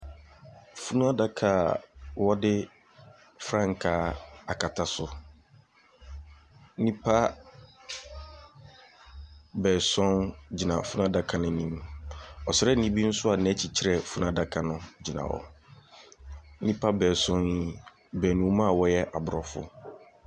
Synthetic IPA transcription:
fu˦nũ˦a˦da˦kʰa˨wɔ˦dɪ˦ | fɾã˦ŋ̩˨kʰaː˦a˨kʰa˨tʰa˨sʊ˨ | n̩˦nĩ˦pʰa˦ | bɛː˨sɔ̃˦nd͡ʑi˨nã̰˨fu˦nũ˦a˦da˨kʰa˨nɪ̃˨nĩ˦mɔ˨sɪ˨ɾɛ˦nĩ˦bi˦n̩˦sʊ˦a˨nɛ̃˨˦t͡ɕʰi˨t͡ɕʰɪ˦ɾɛ˨fu˦nũ˦˨a˦da˨kʰa˨nʊ̃˦d͡ʑi˨nã̰˨wɔ̰˨˦ | nĩ˦pʰa˦bɛː˨sɔ̃˦nji˦ | bɛː˨nũ˨˦mã˦˨wɔ˦jɛ˦ʔa˨bʊ˨ɾɔ˨fʊ̰˦

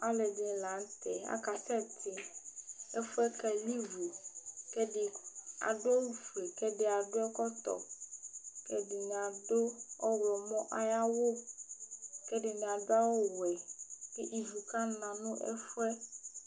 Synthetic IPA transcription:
a˦le˨de˦lã˨˦nst̪e˨a̰˨ka˨sɛ˦t̪ʰe˨ | e˦fu˦ɛ˦kɛ˦li˦vu˨ke˦ɖe˨a̰˨ɖo˦wu˦fle˨kɛ˦ɖe˦˨a˨ɖo˦ɛ˦kɔ˦t̪ɔ̰˨ | kɛ˦ɖe˨nẽ˨a˨ɖo˦ɔ˦wlɔ˨mɔ̃˦ʔa˨ja˦wo˦ | kɛ˦ɖe˨nẽ˨a˨da˦wo˦wɛ˨ke˦ʔi˨vu˨ka˦nã˨nũ˦ʔɛ̰˦fu˦ɛ˦

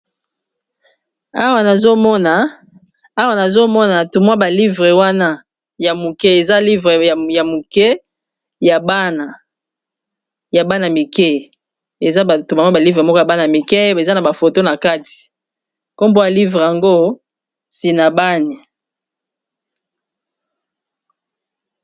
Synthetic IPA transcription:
a˦wa˨na˨zo˦mɔ˦na˨ | a˦wa˨na˨zo˦mɔ˦na˨tu˨mwa˦ba˨li˦vʁe˨wa˦na˦ | ja˨mu˨kɛ˦e˨za˦li˦vʁe˨ja˨mu˨kɛ˦ | ja˨ba˦na˨ | ja˨ba˦na˨mi˨kɛ˦ | e˨za˦˨tu˨ma˦mwa˦ba˨li˦vʁe˨mɔ˦kɔ˦ja˨ba˦na˨mi˨kɛ˦e˨za˦na˨ba˨fo˨to˦na˨ka˦ti̥˨ | ko˦mbo˦ja˨li˦vʁe˨ja˨ŋɡo˦ | si˨na˨ba˦ni˨

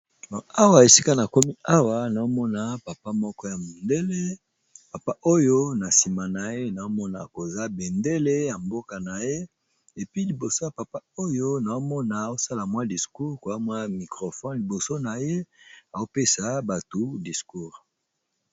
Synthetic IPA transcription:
dɔ˨a˦wa˦˨e˨si˦ka˦na˨ko˦mi˦a˦wa˦na˨o˦mɔ˦na˨pa˨pa˦mɔ˦kɔ˦ja˨mo˨nde˦le˦ | pa˨pa˦ʔo˦jo˦na˨si˨ma˨na˨je˦na˨o˦mɔ˦na˨ko˨za˦be˨nde˦le˦ja˨mbo˦ka˨na˨je˦ | e˨pi˦li˨bo˨so˦ja˨pa˨pa˦o˦jo˦na˨o˦mɔ˦na˨o˦sa˦la˨mwa˦di˨sku˦ʁko˨a˦mwa˦mi˨kʁo˨fɔ˦nli˨bo˨so˦na˨je˦a˨o˦pe˦sa˦ba˨tu˦di˨sku˦ʁ

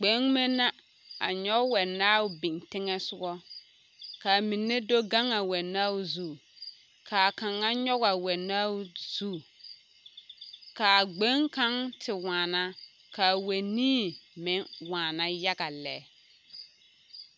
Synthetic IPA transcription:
ɡ͡be˨˦ŋme˦na˦ | a̰˨ɲɔ˦wɛ˨nːaː˦wʊ˦bi˨ŋtɪ˦ŋɛ˦sʊ˦ɡɔ˦ | ka˨mi˨nːe˦do˦ɡa˦ŋa˨wɛ˨na˦wu˦zu˦˨ | kʰa˨ka˨ŋa˦ɲɔ˦ɣa˨wɛ˨na˦z̥u˦˨ | ka˨ɡ͡be˦ŋka˨˦ŋtʰɪ˨waː˨na˦ | ka˨we˨niː˦mɪ˨˦ŋwaː˨na˦ja˦ɡa˨lɛː˨

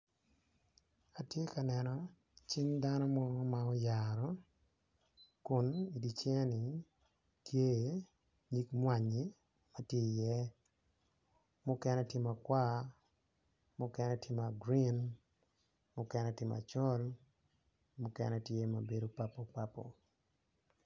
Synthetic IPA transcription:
a˨tje˦ka˨nɛ˨nɔ˨ | t͡ʃi˦nda˦nɔ˦mɔ˦ma˨ɔ˦jaɾɔ˦ | kʊ˨ni˨di˨t͡ʃɛ˦ni˨ | tje˦ | ɲi˦kmwa˨ɲe˦ | ma˦tje˦˨jɛ˦ | mʊ˦kɛ˦nɛ˦tje˦ma˨kwa˦ | mʊ˦kɛ˦nɛ˦tje˦ma˨ɡɾi˦n | mʊ˦kɛ˦nɛ˦tɪ˨˦ma̰˨t͡ʃɔ˦l | mʊ˦kɛ̰˨nɛ˦tje˦ma˨be˦do˦pa˦po˨pa˦po̰˨

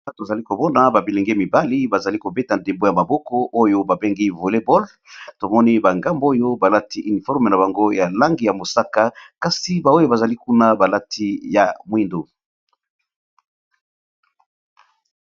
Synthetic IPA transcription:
to˨za˨li˦ko˨mɔ˦na˨ba˨bi˨le˨ŋɡe˦mi˨ba˦li˦ba˨za˨li˦ko˨be˦ta˨nde˨mbo˦ja˨ma˨bɔ˦kɔ˦ʔo˦jo˦ba˨be˦ŋɡi˦vo˨le˦bɔ˦l | to˨mɔ˦ni˦ba˨ŋɡa˦mbo˦jo˦ba˨la˦ti˦ʔy˨ni˨fɔ˦ʁm˨na˨ba˨ŋɡo˦ja˨la˦ŋɡi˨ja˨mo˨sa˦ka˦ka˨si˦ba˨o˦jo˦ba˨za˨li˦ku˦na˦ba˨la˦tʰi˦ja˨mwi˦ndo˨

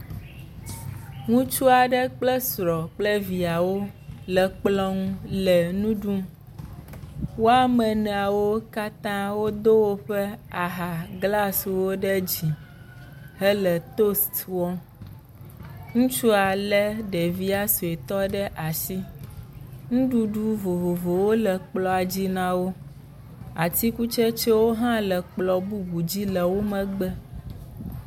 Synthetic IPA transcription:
ŋũ˦t͡ʃu˦a˨ɖə˦k͡plə˦sɾɔ˨k͡plə˦vi˨a˨wo˦lɛ˨k͡plɔ˦ŋũ˦lɛ˨nũ˦ɖu˦m | wo˦a˦mə˨nɛ̃˨a˨wo˦ka˦t̪ã˦wo˦d̪o˦wo˦ɸɛ˦a˨ɦa˨ɡla˦swo˦ɖə˦d͡ʑi˨ | ɦɛ˦lɛ˨t̪o˦st̪wɔ˦ | ŋũ˦t͡ʃu˦a˨lə˦ɖe˨vi˦a˦su˨e˨t̪ɔ˦ɖə˦ʔa˨si˦ | ŋũ˦ɖu˦ɖu˦vo˨vo˨vo˨wo˦lə˨k͡plɔ˨a˨d͡ʑi˦nã˦wo˦ | a˨t̪i˦ku˦t͡ʃɛ˦t͡ʃɛ˦wo˦ɦã˦lə˨k͡plɔ˨bu˦ɡu˨d͡ʑi˦lə˨wo˦mə̃˨ɡ͡bə˦

